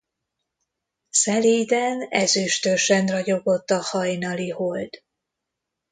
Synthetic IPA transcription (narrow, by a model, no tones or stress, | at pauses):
sɛleːjd̪ɛnɛzyʃt̪øʃɛnrɒɟo̞ɡo̞t̪ːɒhɒjnɒlihold̪̥